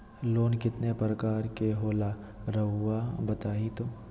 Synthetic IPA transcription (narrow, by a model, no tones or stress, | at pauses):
loːnkɪt̪nepɾəkaːɾkeɦoːla | ɾɐɦʊabɐt̪aːit̪oː